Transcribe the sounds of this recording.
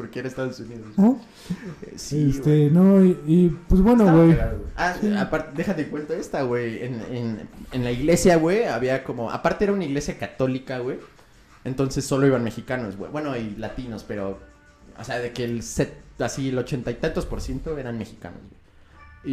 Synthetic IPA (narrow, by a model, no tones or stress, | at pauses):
po̞ɾkeeɾaest̪aðosuniðo | siest̪enoiipwezβwe̞nnoɣwejaoweaapaɾt̪d̪exat̪ekwe̞nt̪aest̪aɣweḛnenenlaiɣle̞sjaɣwe̞aβiako̞mo̞a̰paɾt̪eeɾaunaiɣle̞sjakat̪o̞likaɣwe̞ | ent̪o̞nse̞sːo̞lo̞iβanme̞xikano̞zɣwḛbwe̞no̞ilat̪ino̞spe̞ɾo̞ | o̰seaðe̞ke̞lset̪asielo̞t͡ʃe̞nt̪ajt̪ant̪ospo̞ɾsjent̪oe̞ɾanme̞xika̰no̰zɣwe